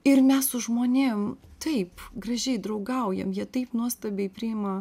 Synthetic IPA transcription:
ɪrmʲɛssʊʒmoːnʲɪmt̪ɐɪpɡɾɐʒʲɛɪd̪ɾɐʊɡɐʊjɛ̰mjiɛt̪ɐɪpnuɔst̪ɐbʲeɪpʲɾʲɪɪmɐ

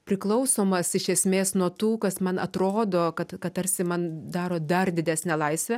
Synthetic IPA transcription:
pʲɾʲɪklˠɐʊsoːmɐsɪʃʲɛsʲmʲeːsnuɔt̪uːkɐsmɐnɐt̪ɾoːd̪oːkɐt̪kɐtt̪ɐɾʲsʲɪmɐnd̪ɑːɾoːd̪ɐrd̪ʲɪdʲæːsʲnʲɛːlˠɐɪsʲʋʲɛ

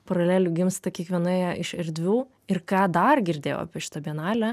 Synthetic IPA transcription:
pɐɾɐlʲæːlʲʊɡʲɪmst̪ɐkʲiɛkʋʲiɛnʊejɛʔɪʃɛɾʲd̪ʲʋʲuː | ɪrkɑːd̪ɐrɡʲɪɾʲd̪ʲeːjo̰ːɐ̰pʲɛʃɪ̥t̪ɐbʲiɛnɑːlʲɛ

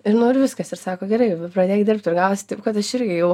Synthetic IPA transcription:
ɪɾnʊɪɾʋʲɪskɐsɪɾsɑːkoːɡʲɛɾɐɪɐpɾɐd̪ʲeːjɪd̪ʲɪrp̚t̪ʲɪrɡɑʊsʲt̪ɐɪpkɐt̪ɐɪɾʲɡʲɪjɛʊ

